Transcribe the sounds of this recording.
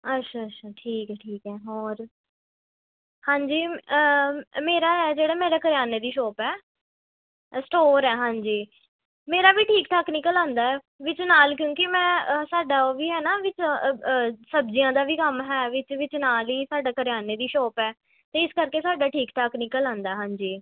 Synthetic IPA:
ətʃʰaːətːʃʰaːʈʰiːkɛːʈʰiːkɛːɦɔːɾ | hãːɲd͡ʒiː | meːɾaːɦɛːd͡ʒeːɽaːmeːɾeːkəɾjaːneːd̪iːʃɔːpɛː | sʈoːɾɛːɦãːɲd͡ʒiː | meːɾaːʋiːʈʰiːkʈaːkniːkəlãːnd̪aːɛː | ʋɪt͡ʃnaːlkjõːkɪmɛ̃ːsaːɖaːoːʋiːɦɛːnaːʋɪt͡ʃː | səbd͡ʒijãːd̪aːʋiːkəmɦɛːʋɪt͡ʃʋɪt͡ʃnaːliːsaːɖaːkəɾɪjaːneːd̪iːʃɔːpɛː | t̪eːɪskəɾkeːsaːɖaːʈʰiːkʈaːknikəlãːnd̪aːɛːɦãːɲd͡ʒiː

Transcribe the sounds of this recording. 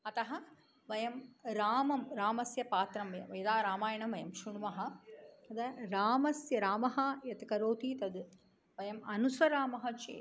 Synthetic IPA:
ɐt̪ɐɦɐ | ʋɐjɐmɾaːmɐmɾaːmɐsjɐpaːt̪ɾɐmʋɐjɐ̰ʋɐjɐd̪aːɾaːmaːjɐɳɐmʋɐjɐmʃuɳʋɐɦɐ̆ɐd̪ɐɾaːmɐsjɐɾaːmɐɦɐjɐt̪kɐɾoːt̪iːt̪ɐd̪ | ʋɐjɐmɐnusʋɐɾaːmɐɦɐ̆t͡ʃḛː

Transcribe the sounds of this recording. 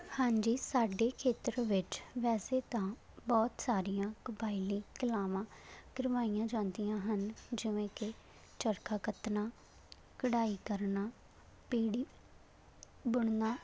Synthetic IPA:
hãːɲd͡ʒiːsaːɖeːkʰeːt̪ɾʋɪt͡ʃʋɛːseːt̪ãː | bɔːt̪saːɾijãːkəbaːiliːkɪlaːʋãːɡɪɾʋaːijãːd͡ʒãːnd̪ijãːɦənd͡ʒɪʋẽːkɪ | t͡ʃəɾkaːkət̪nãː | kəɽaːiːkəɾnaː | piːɽiː | bʊɳnaː

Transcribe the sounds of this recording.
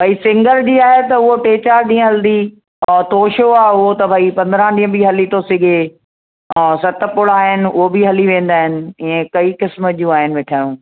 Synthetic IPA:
bʱɐisɪ̃ŋɡəɾd͡ʑiːaːɦet̪ɐʊɦoʈeːt͡ɕaːɾɗĩːə̃ɦɐld̪i | t̪oːʃoaːɦʊɦot̪ɐbʱɐipɐ̃nd̪ɾãɗĩːə̃biɦɐlit̪ʰosɪɡʱẽ | sɐt̪ə̆pʊɽaːɦɪnɪ̆ʊ̰ɦobʱɪɦɐliʋẽːn̆d̪aːɦɪnɪ̆ɪ̃ẽkɐiːkɪsməd͡ʑũːaːɦɪnɪ̆ʋeːʈʰaːjũː

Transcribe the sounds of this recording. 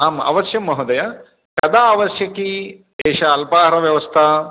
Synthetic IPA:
aːmɐ̰ʋɐsjɐmːɐɦɐd̪ɐjɐ | kɐd̪aːʋɐsjɐki | eːʃɐːlpaːɦɐɾɐʋjɐʋɐst̪ʰɐ

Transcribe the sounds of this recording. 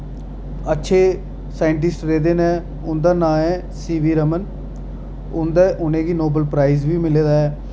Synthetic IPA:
ətːʃʰeː | saːɪɳʈ̬ɪsʈɾeːd̪eːnɛ̃ː | ʊnd̪aːnãːɛ̃ː | siːʋiːɾəmən | ʊnd̪aːʔʊnẽːɡiːnoːbəlpɾaːizʋiːmɪleːd̪aːɛː

